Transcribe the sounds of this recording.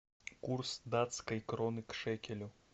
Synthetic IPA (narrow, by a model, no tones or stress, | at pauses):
kursd̪at̪skɐjkɾɔnɨkʂɛkʲɛlʲu